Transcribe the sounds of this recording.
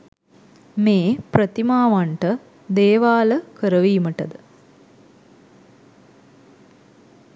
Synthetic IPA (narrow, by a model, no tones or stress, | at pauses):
meːpɾət̪imaːʋaɳʈə | d̪eːʋaːləkəɾəʋiːməʈəd̪ə